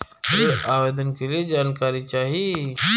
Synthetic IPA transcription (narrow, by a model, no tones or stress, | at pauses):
eɾaːʋeːd̪ənkelied͡ʒaːnkaːɾit͡ʃaːɦie